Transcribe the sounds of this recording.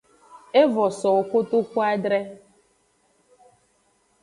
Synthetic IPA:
e˦vɔ˨sɔ˨o˨kʊ˦tʊ˦kʷu˦a˦dɾe˦

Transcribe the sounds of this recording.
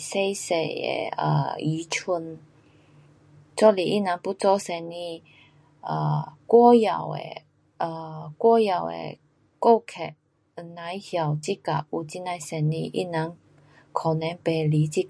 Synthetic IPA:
se˥jse˧˩ḛ˨˩ə̰˧˩i˨˦t͡ɕʰu˧n | t͡sɔ˦li˨˩ʔi˦˥˨na˨˧˦ŋpu˦t͡sɔ˥˧sɛ˧nːĩ˥˧ | ə˧˩kwɔ˦ja˨˩wḛ˨ | ʔə˧˩kwɔ˦˥ja˨˩wḛ˨˩ | ko˥˧˨kʰɛ˨˩t̚ | na˧˦jhja˨˩wt͡ɕi˦˥ka̰˨˩p̚u˨˧˩t͡ɕi˧˥na˧jsɛ˧nːḭ̃˥˧ʔḭ˦˥˩nã˨˦ŋ | kʰɔ˨˩nɛ̃˧˦npe˨˩li˨˦t͡ɕi˦˥k

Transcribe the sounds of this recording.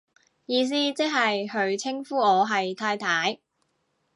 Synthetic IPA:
jiː˨˧s̬iː˥t͡sɪ˥k̚ɦɐ˨jɦɵ˨˧ɥt͡sʰɪ˥ŋfuː˥ɔː˨˧ɦɐ˨jt̪ʰaː˧jt̪ʰaː˨˥j

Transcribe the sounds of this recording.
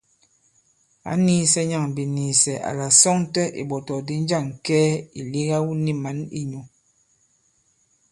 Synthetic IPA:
a̰˨˦niː˦sɛ˦ɲa˦˨ŋ˨bi˨niː˨sɛ˨ʔa̰˨la˨sɔ˦ŋ˦tɛ˦ʔḭ˨ɓɔ˨tɔ˨di˨˦n˦d͡ʒa˦˨ŋ˨kɛː˦i˨li˦ɣa˦wu˦ni˦ma˨˦nḭ˦ɲu˨

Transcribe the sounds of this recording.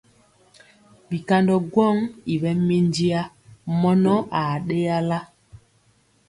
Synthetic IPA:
ɓi˨ka˦ndɔ˨ɡwɔ˦ŋi˨ɓɛ˦me˦ndi˦a˦ | mɔ˦nɔ˦ʔa˨ɗe˦ja˦la˦

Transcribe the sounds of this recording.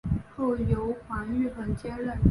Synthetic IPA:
xo˥˩ʊjo˧˥ʊxwa˧˥ny˥˩xə˧˨˩nt͡ɕjɛ˥nɻə˥˩n

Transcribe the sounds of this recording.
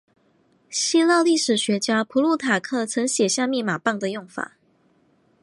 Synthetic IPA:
ɕi˥lɑ˥˧ʊli˥˩ʂɻ̩˨˩ɕɥɛ˧˥t͡ɕja˥ʊpʰu˧˥lu˥˩t̪ʰa˨˩kʰɤ˥˩t͡sʰɤ˧˥ŋɕjɛ˨˩ɕjɑ˥˧mi˥˩ma˨˩pɑ˥˩ŋd̪ə˨jʊ˥˩ŋfa̰˨˩˦

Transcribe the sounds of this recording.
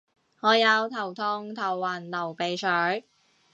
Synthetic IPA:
ŋɔː˨˧jɐ˨˧wt̪ʰɐ˨˩wt̪ʰɔ˧ŋt̪ʰɐ˨˩wːaː˨˩nlɐ˨˩wpe˨˧jsʰœː˨˥ɥ

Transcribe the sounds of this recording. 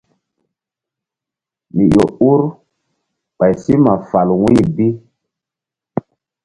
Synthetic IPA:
mi˨jo˨u˦ɾ | ɓa˨jsi˦ma˨fa˨lwi˦˨bi˦

